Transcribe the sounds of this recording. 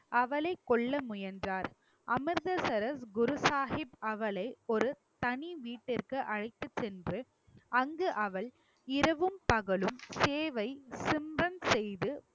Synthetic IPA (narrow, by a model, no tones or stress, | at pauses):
ɐʋɐlɐɪkːɔɭːɐmʊjɐndraːɾ | ʔɐmɪɾðɐsɐɾɐsɡʊɾʊsaːhɪbɐʋɐlɐɪɔɾɯ | t̪ɐniʋiːʈːɪrkɯʔɐɻɐɪt̪ːɯt͡ʃt͡ʃːɛndrɯ | ɐŋɡɯʔɐʋɐɭ | ɪɾɐʋɯmpɐɣɐɭɯmseːʋɐɪsɪmrɐnsɛjðɯ